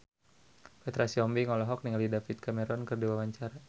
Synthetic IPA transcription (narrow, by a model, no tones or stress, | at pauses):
pɛt̪ɾasiɔmbiŋɔlɔɦɔk̚niŋalidafit̪̚kamɛɾɔnkɨrdiwawaɲt͡ʃaɾa